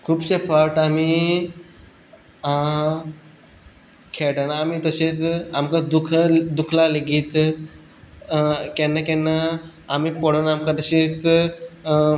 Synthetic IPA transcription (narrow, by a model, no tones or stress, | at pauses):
kʰuːbɕepʰaʈami | kʰeʈənamit̪əɕet͡samkad̪ukʰd̪ukʰlaleɡiːt̪ | kɛnəkɛnə | amipəɽənamkat̪əɕet͡s